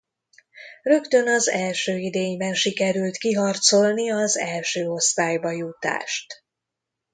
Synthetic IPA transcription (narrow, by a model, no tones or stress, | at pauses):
rø̞kt̪ø̞nɒzɛlʃøːid̪eːɲbɛnʃikɛɾylt̪kiɦɒrt̪so̞lniɒzɛlʃøːo̞st̪aːjbɒjut̪a̰ːʃt̪